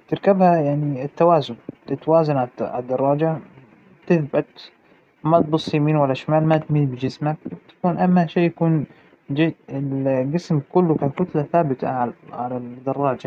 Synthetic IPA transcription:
t̪ɪɾkabhajaʕniɪt̪ːawaːzʊnɪt̪ːawaːzanʕaʕa̰d̪ːɑrˤːɑːd͡ʒa | t̪ɪθbat̪ | mat̪̚bʊsˤːimiːnwalːaʃmaːlmat̪miːt̪bɪd͡ʒɪsmak̚bt̪ḁkuːnʔamːaʃeːʔjakuːn | d͡ʒɪɪlɡɪsmkʊlːʊkakʊt̪laθaːbɪt̪ʰa̰ʕaʕalad̪ɑrˤːɑːd͡ʒa

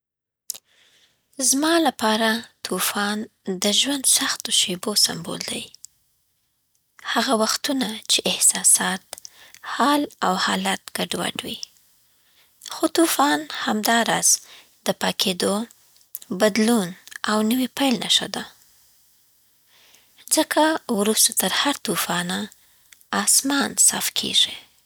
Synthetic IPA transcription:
zmɑlapɑɾat̪ʰufɑnd̪əʒwand̪saxt̪oʃebosa̰mbo̰ld̪aj | haɣawaxt̪unat͡ʃeʔɪhsɑsɑt̪hɑlawhɑlat̪ɡ̥aɖwa̰ɖwi | xot̪ufɑnhamd̪ɑɾɑz̥ | d̪əpɑkʰed̪o | bad̪lunawnəwipajlna̰ʃa̰d̪a | zəkʰawɾust̪ot̪əɾhaɾt̪ufɑnaː | smɑnsɑ̰fkʰḛʐi

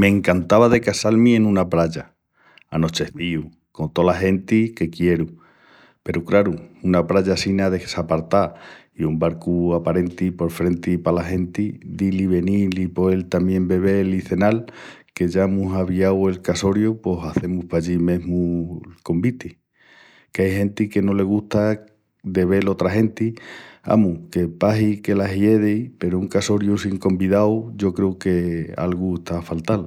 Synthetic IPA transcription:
mẽ̞ːŋkant̪aβaðe̞kasalmĩe̞nũnapɾaʎa | ano̞t͡ʃe̞θiu | ko̞nt̪o̞laɦe̞nt̪ike̞kje̞ɾu | pe̞ɾukɾaɾuunapɾaʎasinaðe̞sapaɾt̪a | iumbaɾkuapaɾe̞nt̪ipo̞ɾfɾe̞nt̪ipalaɦe̞nt̪id̪iliβe̞nilipo̞e̞lt̪amje̞mbe̞βe̞liθe̞nal | ke̞ʝaemusaβiawe̞lkaso̞ɾjopo̞saθe̞muhpaʝimẽ̞ɦmuko̞mbit̪i | keajhẽ̞nt̪ike̞no̞le̞ɣ̞uht̪a | d̪e̞β̞e̞lo̞t̪ɾaɦe̞nt̪ia̰muke̞paɦike̞laɦje̞ðejpe̞ɾouŋkaso̞ɾjusiŋko̞mbiðawʝo̞kɾeuke̞a̰lɣueht̪ʰafalt̪al

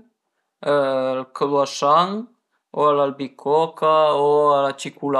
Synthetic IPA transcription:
əlkəlwaʃaŋ | oalalbikʰɔkaoalat͡ʃikula

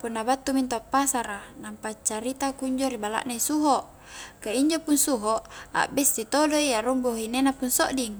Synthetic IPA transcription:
punːabat̪ːumint̪uapːasaɾanampat͡ʃːaɾit̪akuɲd͡ʒoɾibala̰ʔnaisuɦoʔ | kaiɲd͡ʒopunsuɦoʔa̰ʔbɛsːit̪odoiaɾumboɦinenapunsoʔdiŋ

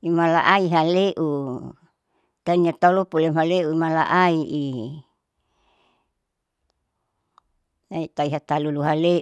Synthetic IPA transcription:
imala̰ʔaiɦaleʔu | t̪aniat̪alupulemaleuimala̰ʔaiʔi | nait̪aiɦat̪aluluɦale

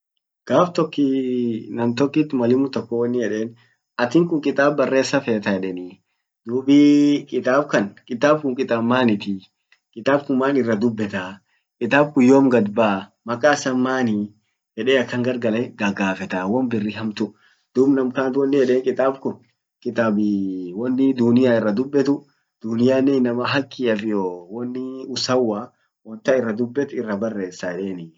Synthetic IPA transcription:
ɡ̥aːft̪ɔkːɪnɐmt̪ɔkːɪt̪ːmɐlɪmʊt̪ɔkːɔwɐnːɪjɛᶑe̞ːn | ɐt̪ɪŋkʊŋkʼɪt̪ʼaːbːɐrːe̞ːsːɐfeːt̪ɐjɛᶑɛni | d̪̥uːbɪkʼɪt̪ʼaːbkɐnkʼɪt̪aːb̚kʊŋkʼɪt̪ʼɐmːaːnɪt̪ɪ | kʼɪt̪ʼaːbkʊmaːnɪrːɐd̪ʊbːɛt̪a | kʼɪt̪aːb̚kʊjoːmɡɐd̪baːmɐkʼaːsɐmːaːnɪ | hɛᶑeːɐkːɐŋɡɐɾɡɐlɐɡɐɡaːfɛt̪awɔnbɪrːɪɦɐmt̪ʊ | d̪̥ʊbnɐmkaːnt̪wɔnːɪhɛᶑeːŋkʼɪt̪aːbkʊn | kʼɪt̪aːbɪwɔnːɪd̪ʊnɪjaːɪrːɐd̪ʊbːɛt̪ʊ | d̪̥ʊnɪjaːnːɛnɐmɐɦɐkːɪɐfɪjoːwɔnːɪʊsɐwːaː | wɔnt̪ɐɪrːɐd̪ʊbːɛt̪ɪrːɐbɐrːeːsːɐɛᶑeːnɪ

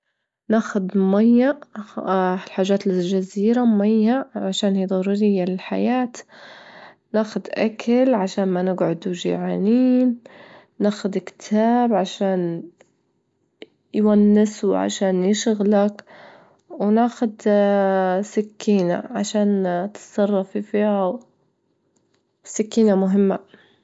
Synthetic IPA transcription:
naːxʊd̪majːa | lħaːʒːaːt̪lɪlʒaziːɾamajːaʕaʃaːnhiːd̪ˤɑɾuɾɪjːalɪlħa̰jaːt̪ | naːxʊd̪ʔakʰalʕaʃaːnmanɪɡʕʊd̪uʒɪ̰ʕaːniːnː | aːxʊd̪kt̪ʰaːbʕaʃaːn | jwanːɪsuʕa̰ʃaːnjɪʃɣlak | wnaːxʊd̪ | sɪkːiːna̰ʕaʃaːnt̪sˤɑrˤːɑfifihaw | sɪkːiːnamʊɦɪmːa̰

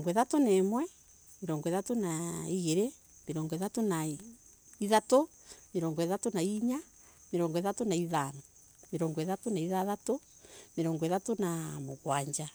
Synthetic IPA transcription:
ŋɡɔeðatonemwɛ | meɾɔŋɡɔeðatonaiɣeɾe | meɾɔːŋɡɔeðatona | iðato | meɾɔŋɡɔeðatonaiɲa | meɾɔːŋɡɔeðatonaiðanɔ | meɾɔːŋɡeðatonaiðaðato | meɾɔːŋɡɔeðatonamoɣwaɲd͡ʒa

